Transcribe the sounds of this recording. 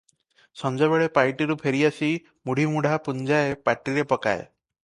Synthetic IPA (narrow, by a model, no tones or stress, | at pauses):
sɔnd͡ʒɔβeɭepajʈiɾupʰeɾiasi | muɽ̤ʱimuɽ̤ʱapund͡ʒaepaʈiɾepɔka̰ḛ